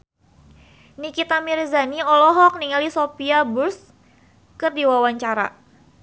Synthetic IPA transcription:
nikit̪amirzaniɔlɔɦɔk̚niŋalisopiabʊrs | kɨrdiwawaɲt͡ʃaɾa̰

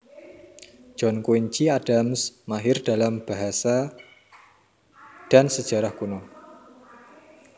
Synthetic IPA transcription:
d͡ʒ̥ɔnkuiɲt͡ʃiad̥amsmaɦɪrd̥a̤lamb̥a̤ɦasa | d̥a̤nsəd̥ʒ̥a̤ɾahkunɔ

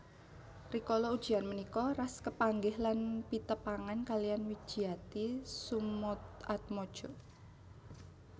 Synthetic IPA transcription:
rikɔlɔud̥ʒ̥i̤anmənikɔraskəpaŋɡɪhlanpit̪əpaŋankalijanwid̥ʒ̥i̤at̪isumʊt̪̚at̪̚mod̥ʒ̥ɔ

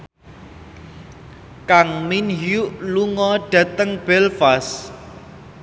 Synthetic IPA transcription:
kaŋminɦjuʔluŋɔɖ̥ä̤t̪əŋb̥ɛlfas

